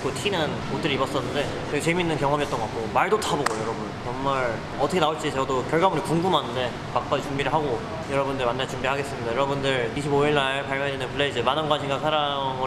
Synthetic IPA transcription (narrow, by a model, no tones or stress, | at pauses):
k͈otʰinɯn | ot͈ɯɾibʌs͈ʌnːɯnde̞ | t͡ɕʌɡt͡ɕeminːɯnkjʌŋɦʌmijʌt͈ʌŋɡʌak͈̚omaɭdotʰaboɡojʌɾʌbunt͡ɕʌŋmaɭ | ʌtʰʌkʰeaoɭt͡ɕ͈it͡ɕʌdokjʌɭɡamuɾikuŋɡɯmɦanɯnde̞ | pak̚p͈ad͡ʑit͡ɕumbiɾɯɭɦaɡo | jʌɾʌbundɯɭmanːat͡ɕumbiɾɭɦaɡes͈ɯmɲidajʌɾʌbundɯɭiɕʰiboiɭːaɭpaɭmjʌd͡ʑinɯnpʰɯɭeid͡ʑɯmanɯnɡwanɕʰiŋɡansʰaɾamɯ